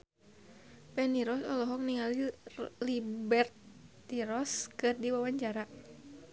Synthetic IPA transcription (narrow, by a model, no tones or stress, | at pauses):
pɛniɾɔsɔlɔɦɔk̚niŋalilibɛrt̪ː | iɾɔskɨrdiwawaɲt͡ʃaɾa